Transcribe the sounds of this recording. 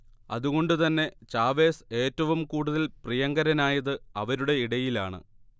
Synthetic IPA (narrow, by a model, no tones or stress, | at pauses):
ɐ̰ðuɣo̞ɳɖɨt̪ɐnːe̞t͡ɕaːʋe̞ːse̞ːtːɐʋumkuːɽuðɐlprijɐŋɡɐɾɐnaːjɐðɨɐʋɐɾuɽe̞iɽɐjilaːɳɨ̰